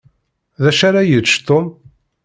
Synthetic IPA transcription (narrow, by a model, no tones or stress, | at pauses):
ðæʃaɾajət͡ʃt̪om